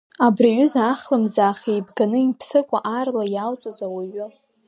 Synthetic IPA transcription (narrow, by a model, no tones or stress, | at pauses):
abraɥʏzaχlɨmd͡zaːχeibɡanɨinpʰsɨkʷʼaʔarlajalt͡sʼazawaɥʊ